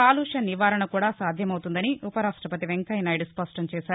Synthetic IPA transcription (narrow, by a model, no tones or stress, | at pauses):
aːluːʂɐniʋaːɾɐɳɐkuːɽaːsaːd̪ʱjɐmɐwt̪und̪ɐniʔupɐɾaːʂʈɾɐpɐt̪iʋeŋkɐjnɐjɖuspɐsʈɐmt͡ʃɛːʃaːɾu